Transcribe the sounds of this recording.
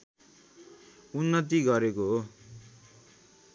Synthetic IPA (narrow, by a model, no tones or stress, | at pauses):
unːʌt̪̬iɡʌɾekoɦo